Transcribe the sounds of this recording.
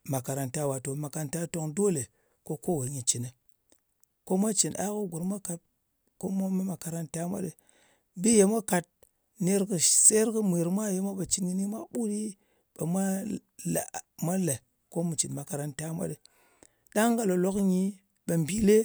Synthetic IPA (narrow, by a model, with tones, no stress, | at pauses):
ma˨ka˨ɾa˨nta˦wa˨to˨ma˨ka˨nta˦to˦ŋdo˦le˨ | ko˦ko˦˨we˨ɲi˨t͡ʃi˨nə˨ | ko˦mʷa˦t͡ʃi˨nʔa̰˦kə˦ɡu˨ɾmʷa˦ka˨t̚ | ko˦ma˦ma˦ma˨ka˨ɾa˦nta˦mʷa̰˦ɗe˨ | bi˦je˨mʷa˦ka˨t̚ | ne˦ɾkɨ˨se˦ɾkɨ˦mʷi˨ɾmʷa˦je˦mʷa˦ɓa˨t͡ʃi˨nɡi˦ni˦ma˦ɓu˦ɾi˦ | ɓa˨mʷa˦ | la̰˨ma˦le˨ | ko˦mu˨t͡ʃi˨nma˨ka˨ɾa˦nta˦mʷa̰˦ɗe˨ | ɗa˦ŋ˦ɡa˨lo˨lo˦kɲi˦ | ɓa˨mbi˨le˦